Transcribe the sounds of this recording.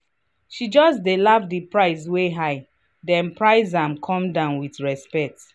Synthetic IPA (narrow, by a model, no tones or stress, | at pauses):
ʃid͡ʒɔsdelafdipɹaɪsweɦaɪ | dɛ̃npɹaɪzãmkʰɔ̃mdãʊ̃nwiθɹɛspɛk̚t